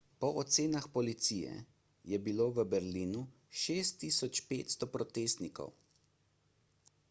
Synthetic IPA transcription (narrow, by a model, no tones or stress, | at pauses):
pɔʔɔt̪seːnaxpɔlit̪siːjɛ̰ | jɛbiloːʋəbɛɾliːnu | ʃeːst̪ːiːsɔt͡ʃpeːt̪st̪ɔpɾɔt̪eːst̪nikɔ̰w